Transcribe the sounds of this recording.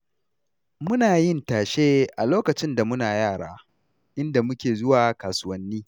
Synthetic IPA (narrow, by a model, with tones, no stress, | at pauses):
mʊ˦naː˨jɪ˦ntaː˨ʃeː˦ʔa˨loː˦kɐ˨t͡ʃɪ˦nda˨mʊ˦naː˨jaː˦˨ɽa̰ː˦ | ʔɪ˦nda˨mʊ˦kʲeː˨zʊ˦waː˨kaː˨sʊ˦wɐ˦nːiː˦